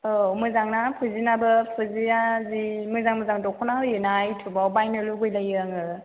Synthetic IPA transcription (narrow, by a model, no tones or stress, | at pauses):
ɔmɯzaŋnapʰɯzinabɯpʰɯzijazimɯzaŋmɯzaŋdɔkʰɔnaɯjɯnajtʰubawbajnɯluɡɯjlajɯŋɯ